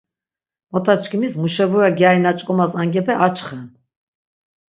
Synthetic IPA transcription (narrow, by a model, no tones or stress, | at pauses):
mɔt̪ʰat͡ʃʰkʰimismuʃɛvuɾaɡjainat͡ʃʼkʼɔmasaŋɡɛpʰɛʔat͡ʃʰχɛn